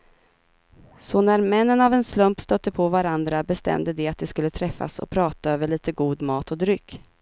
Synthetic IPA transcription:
sɔnæɾmɛnːənavɛnslɵmpst̪œt̪ːəpʰɔvaɾand̪ɾabɛst̪ɛ̰md̪əd̪ɛat̪̚d̪ɛskɵlːət̪ʰɾɛfːa̰sɔ̰pʰɾɑːt̪aøːvəɭiːt̪əɡuːd̪mɑːt̪ɔd̪ɾʏkː

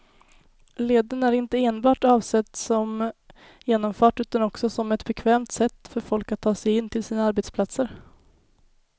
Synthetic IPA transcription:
leːd̪ənæɾɪnt̪əeːnbɑːʈɑːvsɛt̪ːsɔm | jeːnɔmfœːʈʉ̟ːt̪anɔksɔsɔmɛt̪bɛkʰvɛːmt̪sɛt̪ːfœɾfɔlkat̪ʰːɑːsɛjɪnːt̪ʰɪlsiːnaaɾbɛːt̪spʰlat̪səɾ

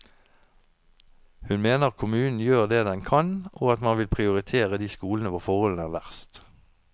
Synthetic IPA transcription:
hʉnmeːnəʁkʰʊmʉːnn̩jøːʁd̪eːd̪ɛnkʰɑnʔoːɑt̪mɑnʋɪlpʰʁɪʊʁɪt̪ʰeːʁəd̪iːskuːlənəʋofɔʁhɔln̩æːʁʋæʁst̪

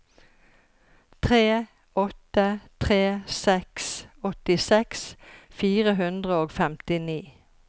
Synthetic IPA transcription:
t̪ʰʁeː | ɔt̪ət̪ʰʁeːsɛksɔt̪ɪsɛksfiːʁəɦʉnd̪ʁəoːɡfɛmt̪ɪniː

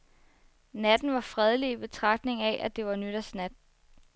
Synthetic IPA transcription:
næd̥n̩ʋɑ̈fʁɛð̞ˠliib̥e̝t͡sʰʁɑ̈ɡ̥d̥ne̝ŋæʔæd̥e̝ʋɑ̈nyɾ̥ɐsnæd̥

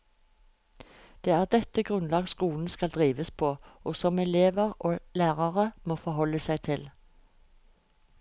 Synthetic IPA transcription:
d̪̥eːæːʁd̪ɛt̪əɡʁʉnlɑːɡskuːln̩skɑld̪ʁiːʋəspʰoːoːsɔmɛleːʋəʁoːlæːʁɑʁəmoːfɔhɔlːəsæɪt̪ʰɪl

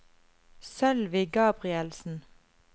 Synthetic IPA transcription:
sœlʋɪɡɑːbʁɪɛlsn̩

